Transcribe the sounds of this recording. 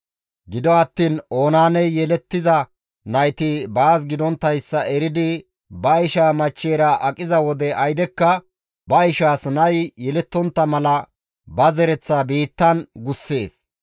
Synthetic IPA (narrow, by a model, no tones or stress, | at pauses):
ɡɪd̪ɔɐt̪ːiːno̞ːnaːnɛjjɛlɛt̪ːɪzɐ | nɐjt̪ɪbaːs̬ɡɪd̪ɔnt̪ːɐjsːɐɛɾɪd̪ɪ | bɐɪʃaːmɐt͡ʃːeːɾɐʔɐkʼːɪzɐwɔd̪ɛɐjd̪ɛkːɐ | bɐɪʃaːsnɐjjɛlɛt̪ːɔnt̪ːɐmɐlɐ | bɐzɛɾɛt͡sːaːbiːt̪ːɐnɡʊsːe̞ːs